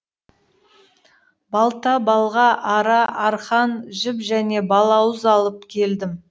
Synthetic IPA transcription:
bɑlˠt̪ɑbɑlˠʁɑʔɑɾɑʔɑɾχɑnʒɪpʒæne̞bɑlˠɑwəzɑlˠəp̚kʲʰe̞ld̪ɪm

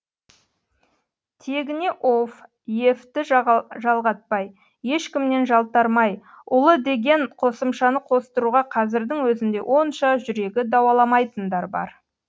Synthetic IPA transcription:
t̪ʰe̞ɡʲɪne̞ʔof | je̞ft̪ɪʒɑlˠʁɑt̪̚pɑjː | e̞ʃkʲɪmne̞nʒɑlˠt̪ɑɾmɑj | ʊlˠəd̪e̞ɡʲe̞ɴqʰo̞səmʃɑnəqʰo̞st̪əɾuʁɑqʰɑzɪɾd̪ɪŋwɵzɪnd̪e̞̰wʔo̞nʃɑʒʏɾe̞ɡʲɪd̪ɑwɑlˠɑmɑjt̪ənd̪ɑɾbɑ̰ɾ

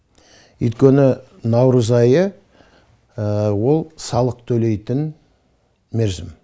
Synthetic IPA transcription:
ʏ̰jt̪kʲe̞nɪ | nɑwɾəzɑjə | wo̞lˠsɑlˠəq̚t̪ʰɵle̞jt̪ɪn | me̞ɾzɪm

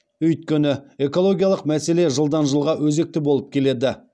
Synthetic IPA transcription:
ʏjt̪̚kʲenɪe̞ko̞lˠo̞ɡʲijalˠəqmæse̞le̞ʒəlˠd̪ɑnʒəlˠʁɑwɵze̞k̚t̪ɪbo̞lˠəp̚kʲʰe̞le̞d̪ɪ

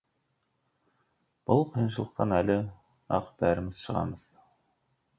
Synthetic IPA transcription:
b̥ɤlˠqɤ̆jɤ̆nʃɤ̆lˠɤ̆q̚t̪ɑnælɘ | ɑ̰qbæɾɘ̆mɘsʃɤ̆ʁɑ̰mɤð

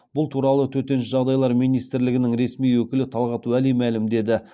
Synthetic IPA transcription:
b̥ʊlˠt̪ʰuɾɑlˠət̪ʰɵt̪e̞nʃɪʒɑʁd̪ɑjlˠɑɾmijnijst̪ɪɾlɪɡʲɪnɪŋɾe̞smijwɵkʲɪlɪt̪ʰɑlˠʁɑt̪wælijmælɪmd̪e̞d̪ɪ

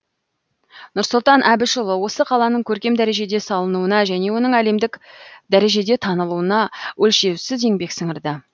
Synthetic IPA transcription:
nʊɾsʊlˠt̪ɑnʔæbɪʃʊlˠəwo̞səqʰɑlˠɑnəɴkʲʰɵɾkʲe̞md̪æɾe̞ʒe̞d̪e̞sɑlˠənuənɑʒæne̞wo̞nəɴæle̞md̪ɪkd̪æɾe̞ʒe̞d̪e̞t̪ʰɑnəlˠuənɑwʔɵlʃe̞wsɪze̞ŋbe̞ksəŋəɾd̪ə

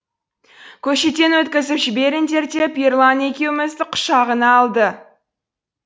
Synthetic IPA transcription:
kʲʰɵʃet̪e̞nwɵt̪kʲɪzɪpʒɪbe̞ɾɪnt̪ʰe̞ɾt̪e̞pirlˠane̞kʲe̞wɪmɪzd̪ɪqʰʊ̥ʃɑʁənɑːlˠd̪ə

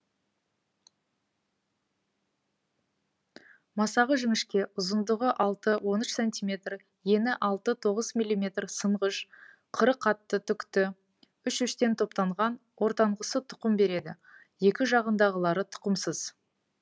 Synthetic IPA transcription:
mɑsɑʁəʒʏŋɪʃkʲe̞ʊzənd̪əʁəʔɑlˠt̪əwo̞nʏʃsenʲt̪imʲe̞t̪r | je̞nɪʔɑlˠt̪ət̪ʰo̞ʁəzmʲijlʲːijmʲe̞t̪rsəɴʁəʃ | qʰəɾəqʰːɑt̪ːət̪ʰʏkt̪ɪ | ʏʃʏʃt̪e̞nt̪ʰo̞pt̪ɑɴʁɑn | wo̞ɾt̪ɑɴʁəsət̪ʰʊ̥qəmbe̞ɾe̞d̪ɪ | je̞kʲɪʒɑʁənd̪ɑʁəlˠɑɾət̪ʰʊ̥qəmsəz̥

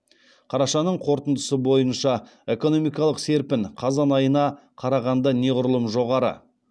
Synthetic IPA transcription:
qʰɑɾɑʃɑnːəɴqʰo̞ɾt̪ənd̪əsəbo̞jənʃɑ | e̞ko̞no̞mijkɑlˠəqse̞ɾpɪɴqʰɑzɑnɑjənɑ | qʰɑɾɑʁɑnd̪ɑne̞ʁʊɾlˠəmʒo̞ʁɑɾə̰

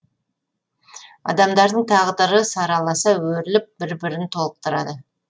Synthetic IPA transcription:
ɑ̰d̪ɑmd̪ɑɾd̪əɴt̪ʰɑʁd̪əɾəsɑɾɑlˠɑsɑwɵɾɪlɪp̚bɪɾbɪɾɪnt̪ʰo̞lˠəq̚t̪əɾɑ̰d̪ə

